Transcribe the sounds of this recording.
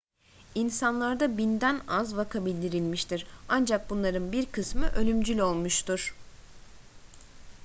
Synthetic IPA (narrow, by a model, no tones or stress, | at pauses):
insanlˠaɾd̪abind̪ænazvakʰabilʲd̪iɾilʲmiʃt̪ʰiɾand͡ʒak̚bunlˠaɾɯnbiɾkʰɯsmɯʔø̞lʲymd͡ʒylʲo̞lˠmuʃt̪ʰuɾ̥